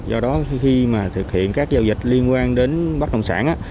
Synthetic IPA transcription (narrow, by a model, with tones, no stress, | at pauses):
zɔ˧ɗɔ˨˦xi˧maː˨˩t̪ʰɨ˨˩k̚hḭ˧˨ənkaː˦˥k̚zaː˧wzi˨˩k̟̚li˧ənkwaː˧nɗe˨˦nɓa˦˥k̚ɗə̰˧˨wŋ͡msaː˧˩nʔaː˧˦